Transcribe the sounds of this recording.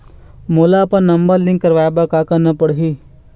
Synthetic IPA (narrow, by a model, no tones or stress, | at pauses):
molapənnəmbəɾlĩŋkːəɾʋajbakakənəpəɽɦi